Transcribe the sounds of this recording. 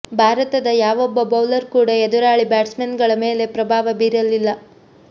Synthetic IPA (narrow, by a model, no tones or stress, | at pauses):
bʱaːɾɐt̪ɐd̪ɐjaːʋɔbːɐbɐwlɐɾkuːɽɐed̪uɾaːɭibaːʈsmenɡɐɭɐme̞ːle̞pɾɐbʱaːʋɐbiːɾɐlːilːɐ